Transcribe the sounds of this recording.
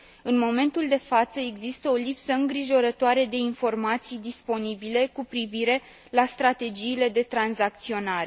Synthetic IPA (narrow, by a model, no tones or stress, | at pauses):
ɨnmo̞me̞nt̪uld̪e̞fat̪səe̞ɡzist̪əo̞lipsəɨŋɡɾiʒo̞ɾət̪oaɾe̞d̪e̞info̞rmat̪sijd̪ispo̞nibile̞kupɾiviɾe̞ | last̪ɾat̪e̞d͡ʒiːle̞d̪e̞t̪ɾanzak̚t̪sio̞naɾe̞